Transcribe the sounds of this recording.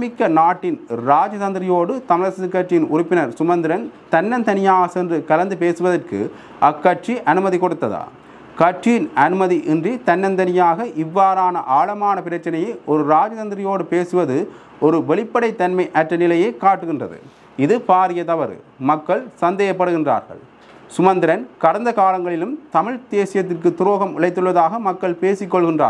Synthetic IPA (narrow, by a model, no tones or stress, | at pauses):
mɪkːɐnaːʈːɪnɾaːd͡ʒɐtɐnd̪ɪɾɪjoːɽɯt̪ɐmɪɻɐsɐɯkːɐʈrɪjɪnʊɾʊpːɪnɐɾsʊmɐnd̪ɪɾɐnt̪ɐnːɐnt̪ɐnɪjaːɣɐsɛndrɯkɐlɐnd̪ɯpeːsɯʋɐðɐrkɯ̰ | ɐkːɐʈʂiʔɐnɯmɐðikɔɽɯt̪ːɐða̰ː | kɐʈt͡ʃijɪnɐnɯmɐðiʔɛndrit̪ɐnːɐnt̪ɐnɪjaːɣɐʔɪʋːaːɾaːnɐ̰ʔaːɭɐmaːnɐpɪɾɐt͡ʃːɐnɐjɐɪɔɾɯɾaːd͡ʒɐtɐnd̪ɪɾɪjoːɽɯpeːsɯʋɐðɯ | ɔɾɯʋɛɭɪpːɐɽɐɪt̪ːɐnmɐɪʔɐʈrɐnɪlɐjeːkaːʈːɯɣɪndrɐðɯ̰ | ɪðɯpaːɾɪjɐt̪ɐʋɐɾɯ̰ | mɐkːɐɭsɐnd̪eːjɐpːɐɽɯɣɪndra̰ːɾɣɐ̰ɭ | sʊmɐnd̪ɪɾɐnkɐɽɐnd̪ɐkaːlɐŋɡɐɭɪlɯmt̪ɐmɪɻt̪eːsɪjɐt̪ːɪrk̬ɯt̪ːʊɾoːɣɐmɪɭɐɪt̪ːɯɭːɐðaːɣɐmɐkːɐɭpeːsɪkːɔɭɣɪndra̰ː